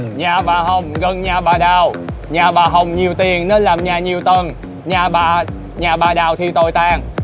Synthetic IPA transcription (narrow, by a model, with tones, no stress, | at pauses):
ɲaː˨˩ɓaː˨˩ɦə˨˩wŋ͡mɣə˨˩nɲaː˨˩ɓaː˨˩ɗaː˨˩wɲaː˨˩ɓaː˨˩ɦə˨˩wŋ͡mɲi˨˩əwt̪i˨˩əŋne˨˦nlaː˨˩mɲaː˨˩ɲi˨˩əwt̪ə˧˩n | ɲaː˨˩ɓaː˨˩ | ɲaː˨˩ɓaː˨˩ɗaː˨˩wt̪ʰi˧t̪o˧jt̪aː˧ŋ